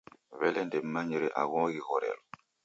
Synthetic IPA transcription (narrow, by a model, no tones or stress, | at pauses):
βɛlɛndemːaɲeɾeʔa̰ɣɔ̃ɡiɣɔɾɛ̰lo